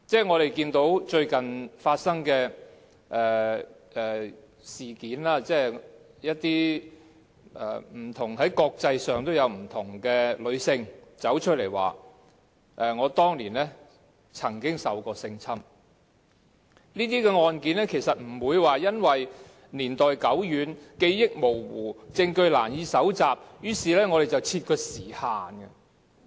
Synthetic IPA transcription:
t͡sɛː˥˩ŋɔː˨˧ɾe˨jkiː˧nt̪o˨˥wt͡ʃɵ˧ɥkɐ˨nfaː˧t̚sɐ˥ŋkɛː˧ | ʔɛː˨ | ɛː˨˩ | siː˨kiː˨˥nlaː˥t͡sɛː˥˩ | jɐ˥t̚t̪iː˥ | ɛ̰ː˨˩m̩˨˩t̪ʰʊ˨˩ŋɦɐ˨˥jkɔː˧k̚t͡sɐ˧jsœː˨ŋt̪o˥wjɐ˨˧wm̩˨˩t̪ʰʊ˨˩ŋkɛː˧lɵ˨˧ɥsɪ˧ŋt͡sɐ˨˥wt͡ʃʰɵ˥t̚le˨˩jwa̰ː˨ | ʔɛ˨˧ŋɔː˨˧t̪ɔː˥ŋliː˨˩nlɛː˥ | t͡sʰɐ˨˩ŋkɪ˥ŋsɐ˨wkɔː˧sɪ˧ŋt͡sʰɐ˥m | niː˥t̪̬iː˥kɛ˧ŋɔː˧nkiː˨˥nɛː˥kʰe˨˩jsɐ˨t̚m̩˨˩wuː˨˧jwaː˨jɐ˥nwɐ˨˩j | niː˨˩nt̪ɔː˨˩jkɐ˨˥wjyː˨˧nke˧jjɪ˥k̚mo˨˩wwuː˨˩t͡sɪ˧ŋkɵ˧ɥlaː˨˩njiː˨˧sɐ˨˥wt͡saː˨p̚jyː˨˥siː˨lɛː˥ŋɔː˨˧ɾe˨jt͡sɐ˨wt͡sʰiː˧t̚kʰɵ˧siː˨˩haː˨nɡɐ˧

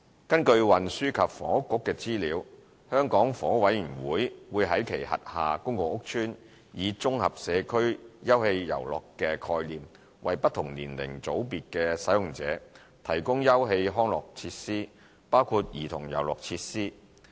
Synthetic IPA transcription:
kɐ˥nkɵ˧ɥwɐ˨nsyː˥kʰɐ˨p̚fɔ̰ː˨˥kːʊ˥kːɛː˧t͡siː˥liː˨˧w | hœː˥ŋkɔː˨˥ŋfɔː˨ŋ˥k̚wɐ˨˥jjyː˨˩nwuː˨˥jwuː˨˧jɦɐ˨˥jkʰe˨˩jɦɐ̰˨t̚haː˨kʊ˥ŋkʊ˨ŋʊ˥k̚t͡ʃʰyː˥n | jiː˨˧t͡sʊ˥ŋhɐ˨p̚sɛː˨˧kʰɵ˥ɥjɐ˥whe˧jːɐ̰˨˩wlɔ̰ː˨kːɛː˧kʰɔː˧jliː˨m | wɐ̰˨jpɐ˥t̪̚ʰʊ˨˩ŋliː˨˩nlɪ̰˨˩ŋt͡so˨˥wpiː˨t̚kɛː˧sɐ˨˥jʊ˨ŋt͡sɛː˨˥ | t̪ʰɐ˨˩jkʊ˥ŋjɐ˥wɦe˧jɦɔː˥ŋlɔ̰ː˨k̚t͡sʰiː˧t̚siː˥ | paː˥wkʰu˧t̚jiː˨˩t̪ʰʊ˨˩ŋjɐ̰˨˩wlɔ̰ː˨k̚t͡sʰiː˧t̚siː˥

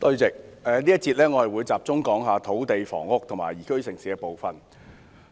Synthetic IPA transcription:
t̪ɵ˧ɥt͡sɪ˨k̚ɛː˨˧nliː˥jɐ˥t̚t͡siː˧t̚lɛː˥ŋɔː˨˧jwuː˨˧jt͡saː˨p̚t͡sʊ˥ŋkɔː˨˥ŋɦaː˨˧t̪ʰo˨˥wt̪e˨jfɔ̰ː˨˩ŋʊ˥k̚t̪ʰʊ˨˩ma̰ː˨˩jiː˨˩kʰɵ˥ɥsɪ˨˩ŋsiː˨˧kɛː˧po˨wfɐ˨n

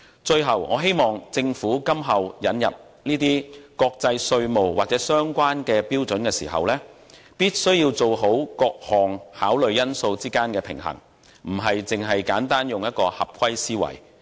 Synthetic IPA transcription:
t͡ʃɵ˧ɥɦɐ˨˩wŋɔ̰ː˨˧ɦe˥jmɔː˨ŋt͡sɪ˧ŋfuː˨˥kɐ˥mɦɐ˨wjɐ˨˥njɐ̰˨p̚ | niː˥t̪iː˥kɔː˧k̚t͡sɐ˧jsɵ˧ɥmo˨˩wwaː˨t̚t͡sɛː˨˥sœː˥ŋkʷaː˥nkɛː˧piː˥wt͡sɵ˨˥nkɛː˧sḭː˨˩ɦɐ̰˨wlɛː˥ | piː˥t̚sɵ˥ɥjiː˧wt͡so˨wɦo˨˥wkɔː˧k̚hɔː˨˩ŋhaː˨˥wlɵ˨˧ɥjɐ˥nso˧wt͡siː˥kaː˥nkɛː˧pʰɪ̰˨˩ŋɦɐ̰˨˩ŋ | m̩˨˩ɦɐ˨jt͡sɪ˨ŋɦɐ˨jkaː˨˥nt̪aː˥njʊ˨ŋjɐ˥t̚kɔː˧hɐ˨p̚kʰwɐ˥jsiː˥wɐ̰˨˩j

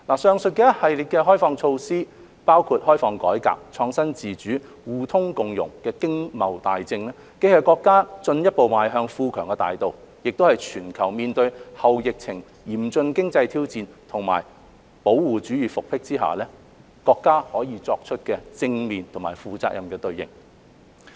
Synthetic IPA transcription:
laː˨˩sœː˧ŋsɵ˨t̚kɛː˧˥hɐ˨jliː˨t̚kɛː˧ɦɔː˥jfɔː˧ŋt͡ʃʰo˧wsiː˥ | paː˥wkʰuː˧t̚hɔː˥jfɔː˧ŋkɔː˨˥jka̰ː˨p̚t͡ʃʰɔː˧ŋsɐ˥nt͡siː˨˩t͡ʃyː˨˥ | wuː˨˩t̪ʰʊ˥ŋkʊ˨ŋjʊ̰˨˩ŋkɛː˧kɪ˥ŋmɐ˨˩wt̪a̰ː˨jt͡sɪ˧ŋlɛː˥ | ke˥hɐ˨˩kɔː˧kːaː˥t͡sɵ˧njɐ˥t̚po˨wmaː˨jɦœː˧ŋfuː˧kʰœː˨˩ŋkɛ˧t̪a̰ː˨jt̪o˨w | jɪ˨k̚t̪o˥hɐ˨jt͡ʃʰyː˨˩nkʰɐ˨˩wmiː˨nt̪ɵ˧ɥhɐ˨wjɪ˨k̚t͡sʰɪ˨˩ŋ | jiː˨˩mt͡sɵ˧nkɪ˥ŋt͡sɐ˧jt̪ʰiː˥wt͡siː˨nt̪ʰʊ˨˩ŋma̰ː˨˩j | po˨˥wwuː˨˩t͡ʃyː˨˥jyː˨˧fʊ˨k̚pʰɪ˥k̚t͡siː˥ɦa̰ː˨lɛː˥ | kɔː˧kːaː˥hɔː˨˥jiː˨˧t͡sɔː˧k̚t͡ʃʰɵ˥t̚kɛː˧t͡sɪ˧ŋmiː˨nt̪ʰʊ˨˩maː˨˩jfuː˨t͡saː˧k̚jʔɐ˨mkɛː˧t̪ɵ˧ɥjɪ̰˨˩ŋ

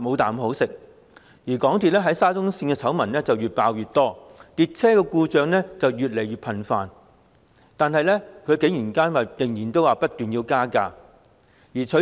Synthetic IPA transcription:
mo˨˧wt̪aː˨mɦo˨˥wsɪ˨k̚ | jiː˨˩kɔː˨˥ŋt̪ʰiː˨t̚lɛ˥ɦɐ˨˥jsaː˥t͡sʊ˥ŋsiː˧nkɛː˧t͡sʰɐ˨˥wmɐ˨˩nlɛː˥t͡sɐ˨wjyː˨t̚paː˧wjyː˨˩t̚t̪ɔː˥t̪iː˨˧t̚t͡sʰɛː˥kɔː˧kuː˧t͡ʃœː˨˧ŋlɛː˥t͡sɐ˨wjyː˨t̚le˨˩jyː˨t̚pʰɐ˨nfaː˨n | t̪aː˨nhɐ˨jlɛː˥kʰɵ˨˧ɥke˨˥jiː˨˩nkaː˥nwaː˨˩jɪ˨˩ŋjiː˨˩nt̪o˥waː˨˩pɐ˥t̚t̪yː˨njiː˧wkaː˥kaː˧ | jiː˨˩t͡ʃʰɵ˨˥

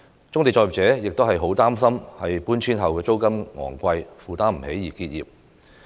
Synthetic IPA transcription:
t͡sʊ˥ŋt̪e˨jt͡sɔ˧˨jiː˨p̚t͡sɛː˨˥jɪ˨k̚t̪wɦɐ˨jɦo˨˥wt̪aː˥ms̬ɐ˥mhɐ˨jpuː˥nt͡sʰiː˥nɦɐ˨wkɛː˧t͡so˥wkɐ˥mŋɔ̰ː˨˩ŋkʷɐ˧jfuː˨˩t̪aː˥m̩˨˩he˨˥jːiː˨˩kiː˧t̚jḭː˨˩p̚

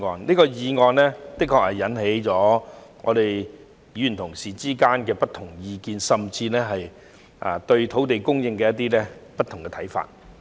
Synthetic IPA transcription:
ŋɔː˨˧nliː˥kɔː˧jiː˨˧ŋɔː˨nlɛː˥t̪ɪ˥kʰːɔː˧khɐ˨jːɐ˨˥nɦe˨˥jt͡sɔː˨˥ŋɔ̰ː˨˧ɾe˨j | jɥyː˨˩˨nt̪ʰʊ˨˩ŋsiː˨t͡siː˥kaː˥nkɛː˧pɐ˥t̪ʰʊ˨˩ŋjiː˧kiː˨˧nsɐ˨mt͡siː˧lɛː˥ɦɐ˨j | ʔa̰ː˨t̪ɵ˧ɥt̪ʰo˨˥wt̪e˨jkʊ˥ŋjɪ˧ŋkɛː˧jɐ˥t̪̬ːiː˥lɛː˥pɐ˥t̪ʰʊ˨˩ŋkɛː˧t̪ʰɐ˨˥jfa̰ː˨t̚

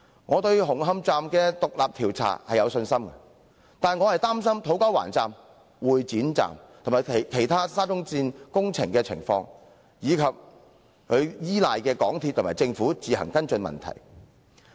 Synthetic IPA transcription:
ŋɔː˨˧t̪ɵ˧ɥɦʊ˨˩ŋɦɐ˧mt͡saː˨mkɛː˧t̪ʊ˨k̚laː˨p̚t̪ʰiː˨˩wt͡sʰa̰ː˨˩hɐ˨jɐ˨˧wsɵ˧nsɐ˥mkɐ̰˧ | t̪aː˨˩nŋɔ˨˧hɐ˨jt̪aː˥msɐ˥mt̪ʰo˨˥wkɐ˥wa̰ː˨˩nt͡saː˨m | wuː˨˩jt͡siː˨˥nt͡sa̰ː˨mt̪ʰo˨˩maː˨jʰkʰe˨˩jt̪ʰaː˥saː˥t͡sʊ˥ŋt͡siː˧nkʊ˥ŋt͡sʰɪ̰˨˩ŋkɛː˧t͡sʰɪ̰˨˩ŋfɔ̰ː˧ŋ | jiː˨˧kʰɐ˨p̚ | kʰɵ˨˧ɥjiː˥laː˨jkɛː˧kɔː˨˥ŋt̪ʰi˧t̪̚ʰːʊ˨˩maː˨˩jt͡sɪ˧ŋfuː˨˥t͡siː˨hɐ̰˨˩ŋkɐ˥nt͡ʃɵ˧nmɐ̰˨nt̪ʰɐ̰˨˩j

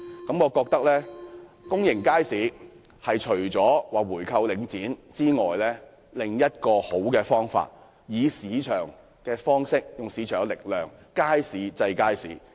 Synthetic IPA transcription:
kɐ˨˥mŋɔː˨˧kɔː˧k̚t̪ɐ˥k̚lɛː˥ | kʊ˥ŋjɪ˨˩ŋkaː˥jsiː˨˧ | hɐ˨jt͡ʃʰɵ˨˩ɥt͡sɔː˨˥waː˨˩wuː˨˩jkʰɐ˧wlɪ˨˧ŋt͡siː˨˥nt͡siː˥ŋɔː˨jlɛː˥ | lɪ˨ŋjɐ˥t̚kɔː˧ho˨˥wkɛː˧fɔː˥ŋfa̰ː˧t̚ | jiː˨˧siː˨˧t͡ʃʰœː˨˩ŋ | kɛː˧fɔː˥ŋsɪ˥k̚jʊ˨˩ŋsiː˨˥t͡ʃʰœː˨˩ŋ˥lɪ˨k̚lœː˨˩ŋkaː˥jsiː˨˧˥t͡sɐ˧jkaː˥jsiː˨˥

